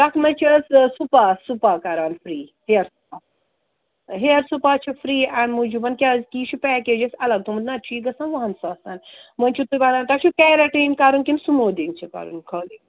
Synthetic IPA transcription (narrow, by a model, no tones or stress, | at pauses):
ɾɐkʰmɐt͡ʃʰiɐssupasupakɐɾaːnfɾiːheɾsu̥pa | ɦeɾsupaːt͡ʃʰifɾiːanmud͡ʒubɐnkʲazkiːt͡ʃʰupɛːkʲed͡ʒɐsɐlɐɡ̚t̪umd̪nat͡ʃʰiːɡɐsãnʋɐɦɐnsaːsanmɐnʲt͡ʃʰut̪ubanant̪at͡ʃʰukʲɛːɾaʈeːmkaɾunkʲinsumoːd̪iŋɡt͡ʃʰikɐ̰ɾṵnkʰoːliŋ